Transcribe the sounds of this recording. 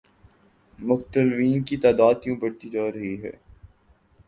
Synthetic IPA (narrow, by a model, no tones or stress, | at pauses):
mʊxt̪əlʋiːnkit̪aːd̪aːt̪jõbɐɽt̪id͡ʒaːɾɐɦiɦɛ̰ː